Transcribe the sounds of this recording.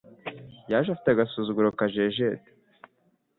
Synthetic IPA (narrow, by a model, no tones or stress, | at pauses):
jaːʒafi̥taɡasuːzuɡuɾokaʒeʒete̥